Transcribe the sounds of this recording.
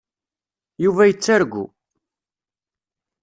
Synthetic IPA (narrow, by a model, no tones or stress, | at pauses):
juvæjət͡sːaɾɡʷːṵ